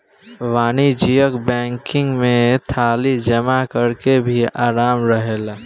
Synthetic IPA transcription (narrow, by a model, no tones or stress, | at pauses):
ʋaːnid͡ʒijəkbɛ̃ːŋkɪ̃ŋɡmẽt̪ʰaːlid͡ʒəmakəɾkebʱiaːɾaːmɾəɦel